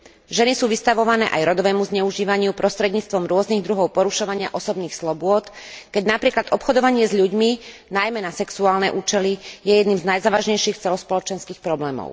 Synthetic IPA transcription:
ʒɛnisuːʋist̪aʋɔʋanɛːʔajɾɔd̪ɔʋɛːmuzɲɛuʒiːʋaɲɪupɾɔst̪ɾɛd̪ɲiːt͡st̪ʋɔmɾʊɔzniɣd̪ɾuɦɔʊpɔɾuʃɔʋaɲɪaʔɔsɔbniːxslɔbʊɔt̪ | kɛɟnapɾiːklad̪ɔpxɔd̪ɔʋaɲɪɛzʎuɟminajmɛnasɛksuaːlnɛʔuːt͡ʃɛlijɛjɛd̪niːmznajzaːʋaʒɲɛjʃixt͡sɛlɔspɔlɔt͡ʃɛnskiːxpɾɔblɛːmɔ̰ʊ

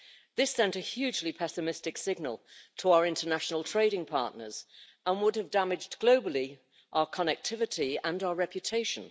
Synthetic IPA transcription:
ðɪsɛ̃ntəhjʉːd͡ʒlipʰɛsɨmɪstɪksɪɡ̚nəlˠtʰəaʊə˞ɪ̃ntənaʃənəlˠtʰɹ̥eɪɾɪ̃ŋpʰɑ̰ˑʔnə̰z̥ | ə̃nwʊdəvdamɪd͡ʒɡloʊbəlˠi | ʔaʊə˞kʰənɛk̚tʰɪvɪtʰiə̃naʊəɹɛpjɨtʰeɪʃə̃n

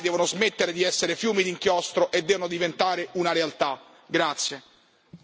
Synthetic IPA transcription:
d̪ɛːvonozmet̪ːeɾed̪iɛsːeɾefjuːmid̪iŋkjɔst̪ɾoʔed̪ːɛːvonod̪ivent̪aːɾeunaɾealt̪a | ɡɾat̪sːje

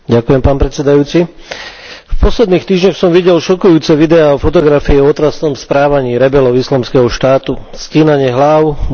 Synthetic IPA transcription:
ɟakujɛmpaːnpɾɛt̪t͡sɛd̪ajuːt͡si | fpɔslɛd̪niːxt̪iːʒɲɔxsɔmʋiɟɛlʃɔkujuːt͡sɛʋid̪ɛaɔfɔt̪ɔɡɾafiɛɔt̪ɾasnɔmspɾaːʋaɲiːɾɛbɛlɔʊislamskɛɦɔʃt̪aːt̪usciːnaɲɪɛɦlaʊ

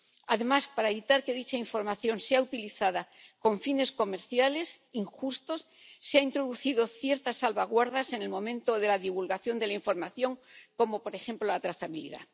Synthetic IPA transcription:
aðe̞maspaɾaeβit̪aɾkeðit͡ʃaiɱfo̞ɾmaθjo̞nseaut̪iliθaðako̞ɱfine̞sko̞me̞ɾθjale̞siŋxust̪o̞sː | eaint̪ɾo̞ðuθiðoθje̞ɾt̪asalβaɣwaɾðase̞ne̞lmõ̞mẽ̞nt̪o̞ðe̞laðiβulɣaθjo̞nd̪e̞laiɱfo̞ɾmaθjo̞ŋko̞mo̞po̞ɾe̞xe̞mplo̞lat̪ɾaθaβilḭða̰

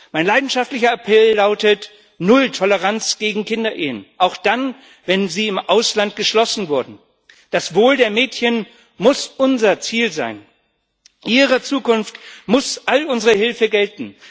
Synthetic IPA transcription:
maɪnlaɪdn̩ʃaftlɪçɐapʰɛlːaʊtət | nʊltʰɔləʁant͡sɡ̥eːɡŋ̩kʰɪndɐʔeːənʔaʊxd̥an | vɛnziːɪmʔaʊslant̚ɡ̥əʃlɔsn̩vʊɐdn̩ | d̥asv̥oːldeːɐmɛːtçən | mʊsʔʊnzɐt͡siːlza̰ɪn | ʔiːʁɐt͡suːkʊnftmʊsʔalʊnzəʁəhɪlfəɡɛltn̩

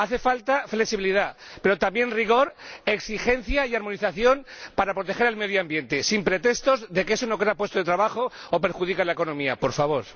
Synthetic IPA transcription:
aθe̞falt̪afleksiβiliðape̞ɾo̞t̪ambje̞nriɣ̞o̞ɾe̞ksixe̞n̟θjaiaɾmo̞niθaθjo̞npaɾapɾo̞t̪e̞xe̞ɾalme̞ðjoambje̞nt̪esimpɾe̞t̪e̞st̪o̞zðe̞keesono̞k̬eapwet̪oðet̪ɾaβaxo̞ope̞ɾxuð̞ikalaeko̞nõ̞miapo̞ɾfaβ̞o̞ɾ

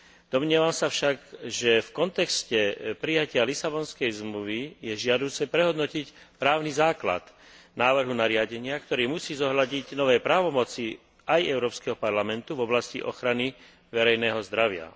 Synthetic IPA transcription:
d̪̥ɔmɲɪɛʋamsafʃaɡʒɛfkɔnt̪ɛkscɛpɾijacɪalisabɔnskɛjzmluʋijɛʒɪad̪uːt͡sɛpɾɛɦɔd̪nɔcicpɾaːʊnizaːkla̰t̪ | naːʋr̩ɦunaɾɪaɟɛɲɪakt̪ɔɾiːmusiːzɔɦlaɟiɟnɔʋɛjpɾaːʋɔmɔt͡si | ajɛʊɾɔːpskɛɦɔpaɾlamɛnt̪uvɔblascḭʔɔ̰xɾani | ʋɛɾɛjnɛɦɔzd̪ɾaʋɪa̰

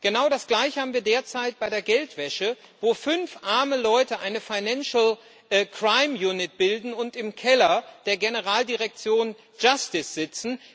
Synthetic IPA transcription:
ɡ̥ənaʊɾasɡ̥laɪçhaːbm̩viːɐdeːɐt͡saɪt̚b̥aɪɾeːɐɡɛltv̥ɛʃə | voːfʏnfʔaɐməlɔʏtəʔaɪnəfaɪnanʃl̩ | ʔkʁ̥aɪmjuːnɪt̚b̥ɪldn̩ʊntɪmkʰɛlɐd̥eːɐɡenəʁ̞aːldiʁɛk̚t͡sjoːn | d͡ʒastɪsz̥ɪt͡sn̩

